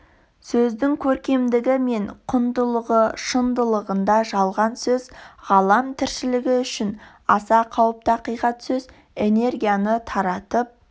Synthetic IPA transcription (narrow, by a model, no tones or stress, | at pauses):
sɵzd̪ɪŋkʲʰɵɾkʲe̞md̪ɪɡʲɪme̞ɴqʰʊnd̪əlˠəʁəʃənd̪əlˠəʁənd̪ɑʒɑlˠʁɑnsɵzʁɑlˠɑmt̪ʰɪɾʃɪlɪɡʲɪʏʃɪn | ɑsɑqʰɑwəp̚t̪ɑqijʁɑt̪sɵz | e̞ne̞rɡʲijanət̪ʰɑɾɑt̪əp̚